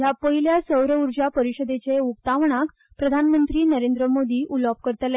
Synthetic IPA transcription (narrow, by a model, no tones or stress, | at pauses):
japəɦiljasəwɾəuɾd͡ʑapəɾiɕəd̪et͡ɕeuk̚t̪aʋɳ̃ak | pɾəd̪ʱanmənt̪ɾiːnəɾend̪ɾəmod̪iːʔulɔp̚kəɾt̪əl